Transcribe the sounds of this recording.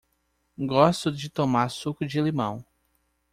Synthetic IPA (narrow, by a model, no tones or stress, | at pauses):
ɡɔst̪ʊd͡ʒɪt̪omaɾsukʊd͡ʒɪlimɐ̰̃w̃